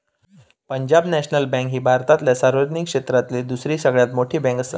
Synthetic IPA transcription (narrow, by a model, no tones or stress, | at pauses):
pəɲd͡ʑabnɛɕnəlbɛ̃ŋkɦiːbʱaɾt̪at̪ljasaɾʋəd͡ʑnikʂet̪ɾat̪led̪usɾiːsəɡɭjat̪moʈʰiːbɛ̃ŋkəsə